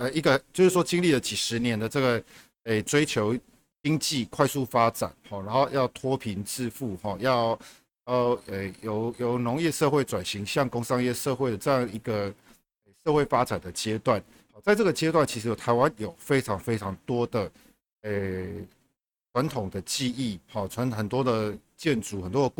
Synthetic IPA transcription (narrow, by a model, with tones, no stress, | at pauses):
ə˨˩i˧˥ɡə˨t͡ɕjo˥˧ʊʂɻ̩˥˩ʂwɔ˥t͡ɕi˥ŋli˥˨lə˨t͡ɕi˨˩ʂɻ̩˧˦njɛ˧˦nd̪ə˨ʈ͡ʂɤ˥˩ɡə˩ | e˥˩t͡swe˥ɪt͡ɕʰjo˧˥ʊ | t͡ɕi˥ŋt͡ɕi˥˨kʰwa˥˧ɪsu˥˨fa˥ʈ͡ʂa̰˨˩nxɔ˥˩na˨˧˦ŋxo˥˧ʊjɑ˥˩ʊt̪ʰwɔ˥pʰi˧˦nt͡sɹ̩˥˧fu˥˨xɔ˥˨jɑ˥˨ʊ | jɑ˥˩ʊe˥˩ɪjo˨˩ʊjo˨˩ʊnʊ˧˦ŋjɛ˥˧ʂɤ˥˧xwe˥˩ɪt͡swa˨˩nɕi˨˥˦ŋɕjɑ˥˨˩ŋko˥ŋsɑ˥ŋjɛ˥˧ʂɤ˥˧xwe˥˩ɪd̪ə˩ʈ͡ʂɤ˥˧jɑ˥˩ŋ˩i˧˥ɡə˨ | e˨˩ʂɤ˥˧xwe˥˩ɪfa˥t͡sa˨˩nd̪ə˩t͡ɕjɛ˦˥t̪wa˥˨˩n | hɔ˥˩t͡sa˥˧ɪʈ͡ʂɤ˥ɡə˩t͡ɕjɛ˥t̪wa˥˩nt͡ɕʰi˧˥ʂɻ̩˧˥jo˨˩t̪ʰa˧˥ɪwa˦njo˨˩ʊfe˥ɪʈ͡ʂʰɑ˧˥ŋfe˥ɪt͡sʰɑ˧˥ŋt̪wɔ˥d̪ə˨ | e˥˩ | t͡sʰwa˧˦nt̪ʰʊ˨˩ŋd̪ə˦t͡ɕi˥˧i˥˩˨hɔ˥˩ʈ͡ʂʰwa˧˦nxə˨˩nt̪wɔ˥d̪ə˨ | t͡ɕjɛ˥˨nt͡su˨˥xə˨˩nt̪wɔ˦˥ə˧k